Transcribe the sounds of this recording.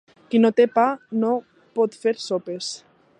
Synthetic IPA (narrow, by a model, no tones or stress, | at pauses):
kinot̪epano | pot̪feɾsopes